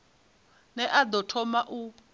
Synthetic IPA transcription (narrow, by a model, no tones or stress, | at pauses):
nɛʔad̪ɔtʰɔmaʔu